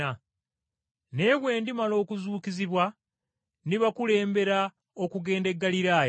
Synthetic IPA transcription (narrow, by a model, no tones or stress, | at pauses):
a | ne̞ːβwe̞ːndimalo̞ːkuzuːkiziβwa | niβakule̞ːmbe̞ɾa | o̞kuɡe̞ːnde̞ɡːaliɾaːja